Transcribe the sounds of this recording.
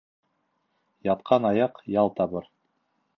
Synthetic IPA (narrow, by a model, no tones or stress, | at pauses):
jɑt̪̚qʰɑnɑjɑqjɑlˠt̪ɑβɤɾ